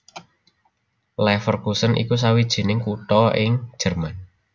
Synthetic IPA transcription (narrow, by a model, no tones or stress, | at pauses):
lɛfərkusənʔḭkus̬awid̥ʒ̥i̤nɪŋkut̪ɔɪŋ̥ʒ̥ə̤rman